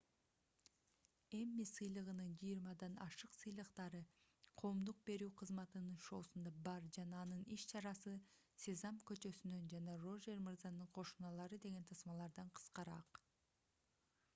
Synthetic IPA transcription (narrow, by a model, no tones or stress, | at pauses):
e̞mːisɯjlˠɯʁɯnɯnd͡ʒijɾmɑd̪ɑnɑʃɯqsɯjlˠɯqt̪ɑɾɯ | qʰo̞ːmd̪uq̚be̞ɾyːqʰɯzmɑt̪ɯnɯnʃo̞ːsund̪ɑbɑɾd͡ʒɑnɑːnɯniʃt͡ʃʰɑɾɑsɯ | sʲezɑmkø̞t͡ʃø̞synd̪ønd͡ʒɑnɑro̞ʒeɾmɯɾzɑnɯɴqʰo̞ʃunɑlˠɑɾɯd̪e̞ɡe̞nt̪ʰɑsmɑlˠɑɾd̪ɑɴqʰɯ̥sqɑɾɑ̰q